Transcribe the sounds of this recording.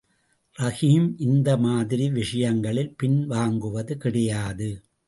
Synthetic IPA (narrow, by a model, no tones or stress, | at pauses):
ɾɐɣimʔɪnd̪ɐmaːðɪɾiʋɪʂɐjɐŋɡɐɭɪlpɪnʋaːŋɡɯʋɐðɯkɪɽɐjaːðɯ